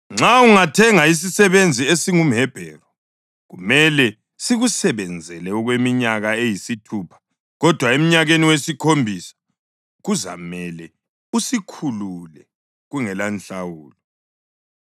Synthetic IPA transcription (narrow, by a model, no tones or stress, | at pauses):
ŋ͡ǁauŋatʰɛŋais̬isɛβend͡zʱiesiŋum̩ɦɛb̥ʱɛ̰ːrɔ | ɣumɛlɛ | siɣusɛβɛnd͡zʱɛlɛɔɣwemiɲaɣaejisitʰupʰḁ | ɣɔd̥ʱwaem̩ɲaɣeniwesikʰombʱisḁ | ɣuza̰mɛlɛ | usikʰululɛ | ɣuŋɛlanɬawuːlɔ